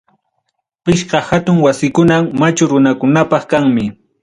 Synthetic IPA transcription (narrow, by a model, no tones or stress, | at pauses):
pɪʃqɑhat̪ʊŋwasɪkʊnamat͡ʃʊɾʊnakʊnapɑχkaŋmɪ